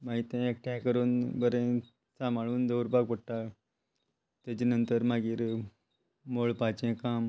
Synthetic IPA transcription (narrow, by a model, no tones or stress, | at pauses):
maɦit̪ẽek̚ʈʰãkəɾuːnbəɾẽ | sãmaɭuːnd̪əwɾbaɡ̚pəɽʈa | t̪at͡ɕenənt̪əɾmaɡiːɾ | moɭpat͡ɕẽkam